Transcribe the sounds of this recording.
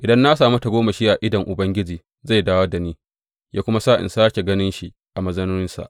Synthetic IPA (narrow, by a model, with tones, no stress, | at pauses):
ʔɪ˨dɐ˦nːa˦s̬aː˨mu˦ta˨ɡʷoː˦ma˨ʃiː˦ʔa˨ʔɪ˦dɐ˨ŋʔʊ˨bɐ˦ŋɡʲɪ˦d͡ʒiː˨ | za˦˨jdaː˦wɐ˦da˨niː˦ | jʔaː˦kʷʊ˦ma˦saː˦ʔɪ̰˨nsaː˦kʲe˨ɡɐ˦nɪ˦nʃi˦ʔ | ʔa˨mɐ˦zɐ˦nuː˦ɪ˦nsa̰˨ʔ